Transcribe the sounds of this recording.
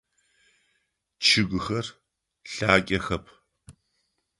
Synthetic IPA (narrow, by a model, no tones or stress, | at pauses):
t͡ʃʰɨɡʷʊxɐr | ɬaːkʲʼɐxɐpʰ